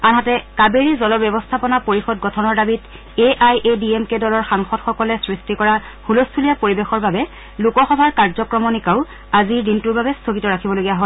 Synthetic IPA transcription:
anɦatɛkabeɹizɔlɔbjɛbɔstʰapɔnapoɹixɔd̚ɡɔtʰɔnɔɹdabit | eʔajʔediemkedɔlɔɹxaŋxɔdxɔkɔlɛsɹistikɔɹa | hulostʰulijapoɹibexɔɹbabɛ | lukɔxɔbʱaɹkaɹzɔkɹɔmɔnikaʊ | aziɹdintuɹbabɛstʰoɡitɔɹakʰibɔloɡijaɦɔl

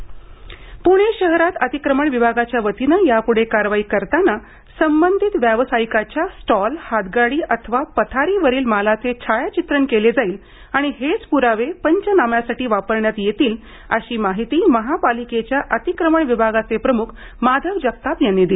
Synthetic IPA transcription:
puɽ̃eɕəɦɾat̪ət̪ikɾəməɳʋibʱaɡat͡ɕjaʋət̪inəjapuɽ̤ekaɾʋaiːkəɾt̪ana | səmbənd̪ʱit̪ʋjaʋsaikat͡ɕjasʈɔlhad̪ɡaɽiːʔət̪ʰəʋapət̪ʰaɾiːʋəɾiːlmalat͡set͡ɕʰajat͡ɕit̪ɾəɳkeled͡zaiːl | aɽ̃iɦet͡spuɾaʋepəɲt͡ɕənamjasaʈiːʋapəɾɳjat̪jet̪iːl | ə̰ɕiːmaɦit̪iːməɦapaliket͡ɕjaʔət̪ikɾəməɳʋibʱaɡat͡sepɾəmukʰ | mad̪ʱəʋd͡ʑək̚t̪apjanːid̪il

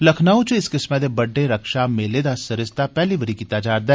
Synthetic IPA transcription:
lɐkʰnaːõt͡ʃeɪskɪsmɛd̪ebɐɖːeɾɐkʃameled̪asɐɾɪst̪apɛɦliʋəɾikit̪aːd͡ʒaːɾd̪a

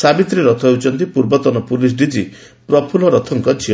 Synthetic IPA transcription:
sabit̪ɾiɾɔt̪ʰɔɦewt͡ʃʰɔnt̪ipuɾbɔt̪ɔnɔpulis̬ɖid͡ʒi | pɾɔpʰulɔɾɔt̪ʰɔŋkɔd͡ʒʰiɔ

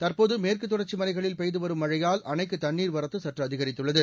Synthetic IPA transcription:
t̪ɐrpoːðɯmeːrkɯt̪ːʊɽɐɾt͡ʃːimɐnɐɪɣɐɭɪlpɛjðɯʋɐɾɯmːɐɻɐjaːlʔɐnɐɪkːɯt̪ɐɳːiːɾʋɐɾɐt̪ːɯsɐʈrɐɐðɪɣɐɾɪt̪ːɯɭːɐðɯ

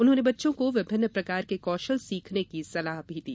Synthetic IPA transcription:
ʊnɦõːnebɐtːʃõkoʋɪbʱɪnːəpɾɐkaːɾkekɔːʃəlsiːkʰnekisɐlaːɦbʱid̪ḭː

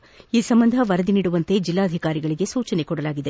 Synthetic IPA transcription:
iːsɐmbɐnd̪ʱɐʋɐɾɐd̪iniːɽuʋɐnt̪e̞d͡ʒilːaːd̪ʱikaːɾiɡɐɭiɡe̞suːt͡ʃɐne̞kɔɽɐlaːɡid̪e̞

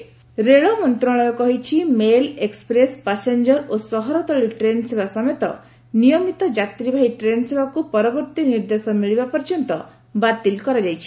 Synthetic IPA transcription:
ɾeɭɔmɔnt̪ɾɔɭ̃ɔjɔkɔɦit͡ʃʰimelekspɾespasend͡ʒɔɾosɔɦɔɾɔt̪ɔɭiʈɾenɔsebasɔmet̪ɔ̰ | nijɔmit̪ɔd͡ʒat̪ɾibʱaiʈɾenɔsebakupɔɾɔbɔɾt̪iniɾd̪esɔmiɭibapɔɾd͡ʒɔnt̪ɔ | bat̪ilkɔɾad͡ʒajt͡ʃʰi̥

